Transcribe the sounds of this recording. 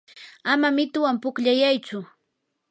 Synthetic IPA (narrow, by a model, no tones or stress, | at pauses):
amamɪt̪ʊwampʊkʎajajt͡ʃʊ